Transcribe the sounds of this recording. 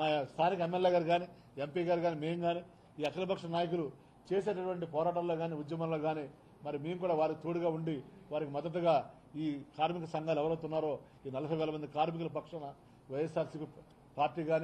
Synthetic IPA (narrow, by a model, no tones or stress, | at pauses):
st̪ʰaːnikɐemːelːeːɡaːɾɡaːni | empiːɡaːɾɡaːnimeːŋɡaːni | iːɐt͡ʃɐlɐpɐkʂɐɐnaːjɐkulu | t͡ʃe̞ːseːʈɐʈuʋɐɳʈipɔːɾaːʈɐnlo̞ːɡaːniːud̪jɐmaːnloːɡaːni | mɐɾimeːmukuːɽaːʋaːɾikit̪oːɽuɡaːuɳɖiʋaːɾikimɐd̪ːɐt̪uɡaː | iːkaːɾmikɐsɐŋɡaːlɛʋɐɾɐwt̪unːaːɾo̞ː | iːnɐlɐpʰɐjʋɛːlɐmɐnd̪ikaːɾmik̬ulɐpɐkʂɐnɐ | ʋɐjesaːɾsipi | paːɾʈiːɡaːni